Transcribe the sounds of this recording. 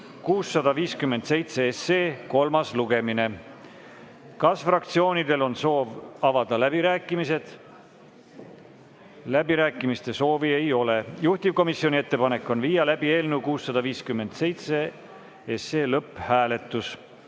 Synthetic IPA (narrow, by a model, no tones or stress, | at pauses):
kuːsːɑd̪̥ɑviːskymːe̞nd̪se̞jt̪se̞eseːko̞lmɑsluɡe̞mine̞ | kɑsfrɑkt̪sio̞ːnid̪e̞lo̞nso̞ːvɑvɑd̪̥ɑlæb̥iɾæːkːˑimise̞d̪̥ | læb̥iɾæːkːˑimist̪e̞so̞ːvie̞jo̞le̞juht̪ivko̞misio̞nʲie̞t̪ːe̞pɑne̞kːˑo̞nvijɑlæb̥ie̞ːlnuwkuːsːɑd̪̥ɑviːskymːe̞nd̪̥se̞jt̪se | eseːlɤpːˑhæːle̞t̪ːˑus